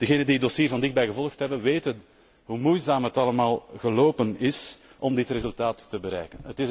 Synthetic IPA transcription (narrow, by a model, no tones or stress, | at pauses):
d̥əɣeːnəndiədɔsiːrvɑndɪx̚bɛjɣəvɔləxtɦɛbəʋeːtən | ɦuːmujzaːmɦətɑləmaːlˠɣəloːpənɪsʔɔmdɪtrezʉlˠtaːtːəbəɾɛ̰jkənətɪ